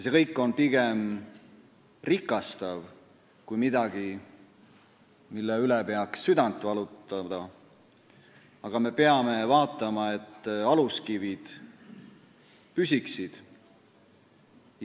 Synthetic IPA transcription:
se̞kɤjkːˑo̞npiɡe̞m | rikːˑɑst̪ɑv | kujmid̪̥ɑɡ̥i | milːeylepeɑksːyd̪̥ɑnt̪ːˑvɑlut̪ːɑd̪̥ɑ | ɑɡ̥ɑme̞pe̞ɑme̞vɑːt̪ːˑɑmɑe̞t̪ːɑluskivid̪̥ | pysiksid̪̥

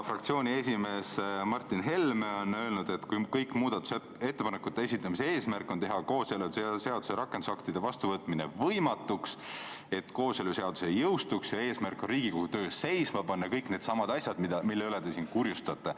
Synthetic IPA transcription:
frɑkt̪sio̞ːnʲie̞sʲime̞ːsmɑrt̪ˑːinɦe̞lmeo̞nø̞ːlnud̪̥e̞t̪ːkujkɤjkːˑmuːd̪̥ɑt̪ːˑu̥se | e̞t̪ːe̞pɑnekːˑut̪ːees̬ʲit̪ːˑɑmise̞e̞ːsmærkːˑo̞nt̪eɦɑko̞ːselusese̞ɑd̪̥u̥seɾɑkːˑe̞nd̪usɑkt̪id̪̥e̞vɑst̪uvɤt̪ˑmine̞̰vɤjmɑt̪ːˑuks | e̞t̪ːko̞ːseluse̞ɑd̪̥use̞jɤwst̪uksjɑe̞ːsmærkːˑo̞nriːɡ̥ikohut̪ø̞ːsse̞jsmɑpɑnːɑkɤjkne̞ːd̪sɑmɑd̪ɑsʲjɑd̪mid̪̥ɑmilːeyled̪esinkuɾjust̪ɑt̪ːˑe

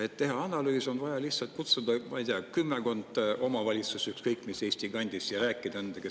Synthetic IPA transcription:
et̪ːe̞ɦɑɑnɑlyːso̞nvɑjɑlihtsɑlt̪̚kut̪sud̪̥ɑmɑjd̪̥iɑkymːeko̞nd̪̥o̞mɑvɑlʲit̪susykskɤjkːˑmiseːsʲt̪iɡ̥ɑnʲd̪̥isjɑɾæːkːˑid̪̥ɑend̪̥ɑke

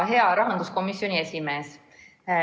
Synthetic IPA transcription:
ɦe̞ɑɾɑɦɑnd̪usko̞misio̞nʲie̞sʲime̞ːs

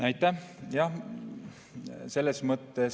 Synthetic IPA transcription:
æɑjt̪ːˑæhjɑh | se̞lːesmɤt̪ːe

